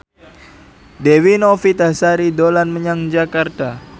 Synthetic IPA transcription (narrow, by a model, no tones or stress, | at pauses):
dewinofit̪asaɾidolanməɲaŋd͡ʒakart̪a